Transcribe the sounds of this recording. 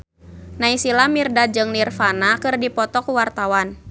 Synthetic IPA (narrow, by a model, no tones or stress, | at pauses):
naisilamirdad͡ʒɨŋnirfanakɨrdipɔt̪ɔkuwart̪awan